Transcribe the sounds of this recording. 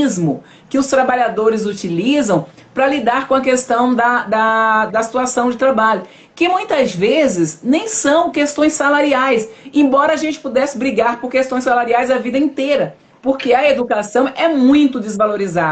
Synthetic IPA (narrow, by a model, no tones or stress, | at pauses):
zmʊ | kɪʊst̪ɾabaʎad̪oɾɪzut͡ʃilizɐ̃w̃ | pɾɐlid̪aɾkõɐkest̪ɐ̃w̃d̪ɐd̪ɐd̪ɐsi̥t̪uasɐ̃w̃d͡ʒɪt̪ɾabaʎʊ | kɪmũj̃t̪ɐzvezɪznẽj̃sɐ̃w̃kest̪õj̃salaɾiajsẽbɔɾɐːʒẽnt͡ʃɪ̥pud̪ɛsɪbɾiɡaɾpoɾkest̪õj̃salaɾiajzɐvid̪ɐĩnt̪eɾɐ | poɾkeɐed̪ukasɐ̃w̃ɛmũj̃t̪ʊd̪ɪzvaloɾiza